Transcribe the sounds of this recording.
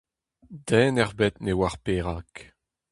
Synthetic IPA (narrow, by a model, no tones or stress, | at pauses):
dɛːnɛʁbɛt̪newaʁpeːʁak